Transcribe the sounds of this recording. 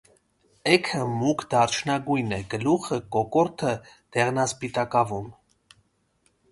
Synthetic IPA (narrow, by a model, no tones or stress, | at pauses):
ɛkʰəmukʰd̪ɑɾt͡ʃʰnɑɡujnɛɡəluχəkɔkɔɾt̪ʰəd̪̥ɛʁnɑspit̪ɑkɑvum